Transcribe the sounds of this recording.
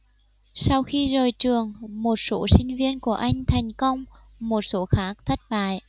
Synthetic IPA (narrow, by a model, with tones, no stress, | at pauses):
sa˧wxi˧zəː˨˩jt͡ɕɨ˨˩əŋmo˨˩t̚so˨˦sï˧ŋ̟vi˧ənku˧˩əʔa˧jŋ̟t̪ʰa˨˩jŋ̟kə˧wŋ͡m | mo˨˩t̚so˨˦xaː˦˥k̚t̪ʰə˦˥t̚ɓa̰ː˧˨j